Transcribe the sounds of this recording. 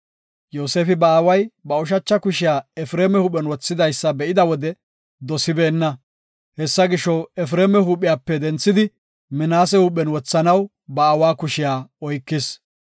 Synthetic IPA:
joːseːfɪbɐːwɐjbɐɔʃ̬ɐt͡ʃːɐkʊʃɪjaːɛfɾeːmɛhʊpːɛnwɔt͡sːɪd̪ɐjsːɐbɛʔɪd̪ɐwɔd̪ɛ | d̪ɔsɪbeːnːɐ | hɛsːɐɡɪʃɔwɛfɾeːmɛɦuːpʼːɪjaːpːɛd̪ɛnt͡sːɪd̪ɪ | mɪnaːsɛhʊpʼːɛnwɔt͡sːɐnɐw | bɐːwaːkʊʃɪjaːɔjkːɪs

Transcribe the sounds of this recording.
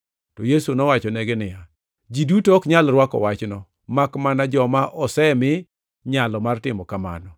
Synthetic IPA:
tɔjesunɔwat͡ʃɔnɛɡɪnɪja | d͡ʒidutɔkɲalɾwakɔ̰wat͡ʃnɔ | makmanad͡ʒɔmaʔɔsɛmɪ | ɲalɔmartɪmɔkama̰nɔ

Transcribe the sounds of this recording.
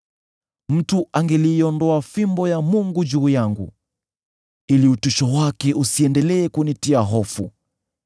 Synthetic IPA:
m̩tuʔaŋɡɛliːɔndɔafimbɔjamuŋɡud͡ʒuːjaŋɡṵ | iliutuʃɔwakɛʔusiɛndɛlɛːkunitiaɦɔfu

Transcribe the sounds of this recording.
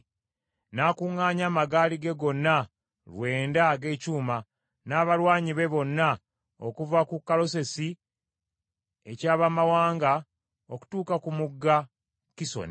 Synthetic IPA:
naːkuŋːaːɲaːmaɡaːliɡe̞ɡo̞nːa | lwe̞ːndaɡe̞ːcuːma | naːβalwaːɲiβe̞βo̞nːa | o̰kuvakukːalo̞se̞si | e̞̰caːβamawaːŋɡa | o̞ku̥tuːkakumuɡːa | kiso̰ni

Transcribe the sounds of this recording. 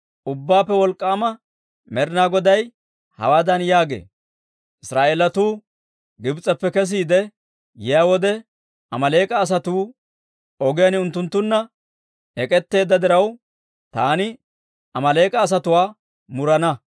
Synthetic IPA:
ʔʊbːaːpːɛwɔlkʼːaːmɐ | mɛɾnaːɡɔd̪ɐj | hɐ̰waːd̪ɐnjaːɡḛː | ʔɪsɾaːʔeːlɐt̪uː | ɡɪbt͡sʼɐpːɛkɛs̬iːd̪ɛ | jɪjaːwɔd̪ɛ | ʔɐmɐle̞ːkʼɐːs̬ɐt̪uː | ɔɡɪjɐnʊnt̪ːʊnt̪ːʊnːɐ | ɛkʼɛt̪ːe̞ːd̪ːɐd̪ɪɾɐw | t̪aːnɪ | ʔɐmɐleːkʼɐːs̬ɐt̪ʊwaː | mʊɾɐnɐ

